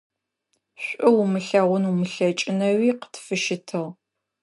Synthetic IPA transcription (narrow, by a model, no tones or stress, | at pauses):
ɕʷʼʊwmɨɬɐʁʷʊnumɨɬɐt͡ʃʼɪnɐwiːqə̥tʰfɨʃɪtʰɨʁ